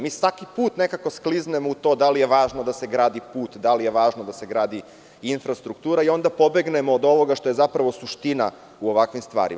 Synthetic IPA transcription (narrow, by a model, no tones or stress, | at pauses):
miːsʋakipuːt̪ne̞kako̞skliznemout̪oːd̪alije̞ʋaːʒnod̪ase̞ɡɾaːd̪ipuːt̪d̪alije̞ʋaːʒnod̪ase̞ɡɾaːd̪i | infɾast̪ɾukt̪uːɾaio̞nd̪apo̞be̞ɡne̞mo̞ːd̪o̞ʋo̞ɡaʃt̪o̞je̞zapɾaʋo̞suʃt̪ina | uoʋakʋimst̪ʋa̰ːɾḭ